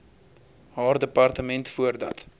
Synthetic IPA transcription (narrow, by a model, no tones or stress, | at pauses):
hɑːrdəpɐrtəmɛntfuərdɐ̰t